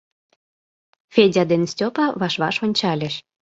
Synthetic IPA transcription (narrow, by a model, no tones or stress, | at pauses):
fʲedʲɑd̪ensʲtʲopɑβɑʃβɑʃonʲt͡ɕɑlʲeʃ